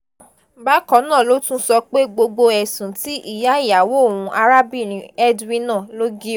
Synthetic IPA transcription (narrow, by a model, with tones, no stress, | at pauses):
ba˦kɔ̃˨˦nã˦˨lo˦tũ˦sɔ˧k͡pe˦ɡ͡bo˧ɡ͡bo˧ɛ˨sũ˨ti˦ʔi˦˨ja˨˦i˦˨ja˨wo˦o˦˨wũ˧ʔa˧ɾa˦bi˦˨nĩ˨˦ɛ˦dwĩ˧˦nã˦˨lo˦ɡi˦